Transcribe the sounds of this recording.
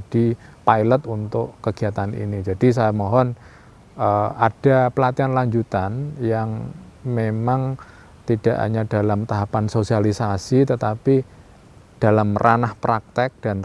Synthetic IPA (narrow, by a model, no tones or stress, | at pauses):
d̥ipajlət̪unt̪ʊʔkəɡ̥iat̪anḭnid͡ʒad̥is̬ajamɔɦɔn | əʔad̥apəlat̪ianlaɲd͡ʒut̪anjaŋmemaŋ | t̪id̥aʔɦa̰ɲad̥alamt̪aɦapansosialisasit̪ət̪api | d̥alamrʔanahpɾak̚t̪ɛk̚d̥an